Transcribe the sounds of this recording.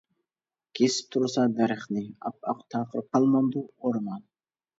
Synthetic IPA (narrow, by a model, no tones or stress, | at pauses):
kʰʲesi̥p̚t̪ʰuɾsɑd̪ɑɾiχnɪɑ̰p̚ɑ̰qt̪ʰɑːqəɾp̚qːɑlˠmond̪uoɾmɑn